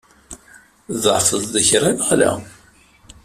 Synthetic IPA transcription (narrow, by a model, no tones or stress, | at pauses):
ðʕfəðˤðəçɾˤanʁlæ̰